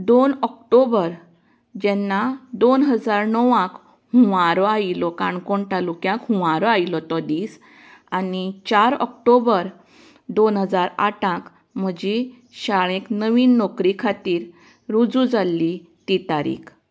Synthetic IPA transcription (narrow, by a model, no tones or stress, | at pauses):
d̪onɔk̚ʈobəɾ | d͡ʑɛnːad̪onɦəd͡zaɾnɔʋãk | huũʋaɾɔailɔkãɳkoɳʈalukjãkɦũʋãɾɔailɔt̪ɔd̪iːs | anit͡ɕaɾɔ̰k̚ʈobəɾ | d̪onɦəd͡zaɾa̰ʈãk | m̤əd͡ʑi | ɕaɭẽknəʋiːnːɔkɾikʰat̪iːɾ | ɾud͡zũd͡zalːit̪it̪aɾḭːkʰ